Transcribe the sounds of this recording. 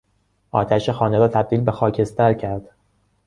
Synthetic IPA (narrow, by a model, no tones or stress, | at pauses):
ʔɒ̰ːt̪ʰæʃexɒːneɾɒːt̪ʰæb̚d̪iːlbe̞xɒːcʰe̞st̪æɾcʰæɾd̪̥